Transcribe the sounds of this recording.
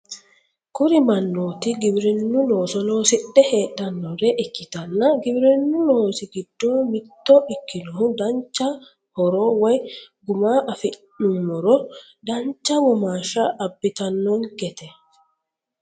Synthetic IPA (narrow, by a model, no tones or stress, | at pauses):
kʊɾɪmɐnːoːt̪ɪɡɪbɾɛnːʊloːsɔlo̞ːsɪɗːɛheːɗɐnːɔɾɛʔɪkːɪt̪ɐnːɐɡɪbɪɾɛnːʊloːsɪɡɪd̪̥ːoːmɪt̪ːɔʔɪkːɪnɔhʊd̪ɐnt͡ʃːɐ | hɔɾoːwɔjɡʊmaːʔɐfɪ | ʊmːɔɾɔ | d̪ɐnt͡ʃːɐwɔmaːʃɐʔɐbːɪt̪ɐnːɔnɡɛt̪ɛ